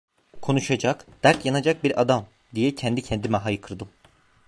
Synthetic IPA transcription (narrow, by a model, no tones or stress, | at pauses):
kʰo̞nuʃad͡ʒakd̪̥æɾc̪janad͡ʒak̚biɾad̪am | d̪ijɛcʰɛnd̪icʰɛnd̪imɛɦajɯkʰɯɾd̪ɯ